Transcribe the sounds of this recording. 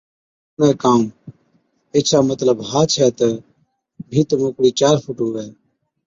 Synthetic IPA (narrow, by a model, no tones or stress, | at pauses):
nɛːkaːm | eːt͡ʃʰaːmət̪ləbɦaːt͡ʃʰɛːt̪ɛ | bʱiːt̪mokɽiːt͡ʃaːɾpʰuːʈɦuːʋɛː